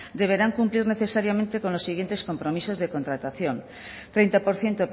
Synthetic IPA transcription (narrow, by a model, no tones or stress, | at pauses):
d̪e̞β̞e̞ɾaŋkumpliɾne̞θesaɾjamẽnt̪eko̞nlo̞sːiɣ̞je̞nt̪e̞sko̞mpɾomiso̞zðeko̞nt̪ɾat̪aθjon | t̪ɾejnt̪apo̞ɾθje̞nt̪op